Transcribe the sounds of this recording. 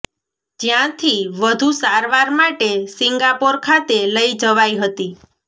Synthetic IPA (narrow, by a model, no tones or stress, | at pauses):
d͡ʒjãt̪ʰiʋəd̪ʱusaɾʋaɾmaʈesiŋɡapoɾkʰat̪eləid͡ʒəʋajɦət̪i